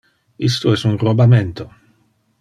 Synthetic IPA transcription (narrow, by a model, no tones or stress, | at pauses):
ist̪oɛsunrobament̪o